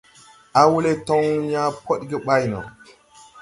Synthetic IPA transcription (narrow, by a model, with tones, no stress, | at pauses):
a˦wu˦le˦to˦ŋ˦ja˦po˦ɗɡe˦ɓa˦jno̰˨